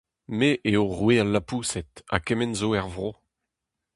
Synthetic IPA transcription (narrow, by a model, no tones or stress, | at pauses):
meʔeoʁwealːapuːsɛt̪a̰kɛmɛnzoɛʁvʁo